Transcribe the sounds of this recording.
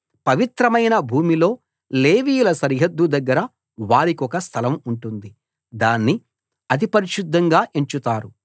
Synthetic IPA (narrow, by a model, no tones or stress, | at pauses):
pɐʋit̪ɾɐmɐjnɐbʱuːmilo̞ː | leːʋiːjulɐsɐɾɦɐd̪ːud̪ɐɡːɐɾɐ | ʋaːɾikɔkɐst̪ʰɐlɐmuɳʈund̪i | d̪aːnːi | ɐd̪ipɐɾiʃud̪ʱːɐŋɡaːʔeɲt͡ʃut̪aːɾu